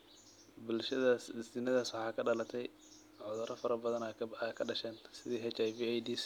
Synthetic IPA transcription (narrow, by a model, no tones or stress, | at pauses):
bʊlʃɐðaːsɪsɪnɐðaːswɑħɑːkʰɐɖɐlɐt̪ʰɛj | ʕɔðɐɾʔɐfɐɾɐbɐðɐnakʰɐɖɐʃɛːnsɪðiːɦɛt͡ʃajviːajd̪iːs